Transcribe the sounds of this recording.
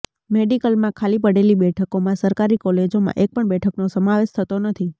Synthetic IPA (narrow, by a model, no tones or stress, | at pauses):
meɖikəlmãkʰalipəɽelibɛʈʰəkomãsəɾkaɾikɔled͡ʒomã̰ʔek̚pəɳbɛʈʰəknosəmaʋeʃt̪ʰət̪onət̪ʰi